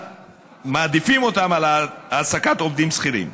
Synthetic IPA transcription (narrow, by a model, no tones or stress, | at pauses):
maːd̪ifimo̞t̪amalaasakat̪o̞vd̪imsχiɾḭm